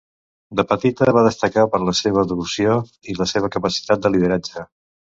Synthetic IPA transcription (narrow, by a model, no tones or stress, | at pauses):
d̪əpət̪it̪əβaðəst̪əkapəɾləseβ̞əðəβusioiləseβ̞əkəpəsi̥t̪at̪̚d̪əlið̞əɾad͡ʒə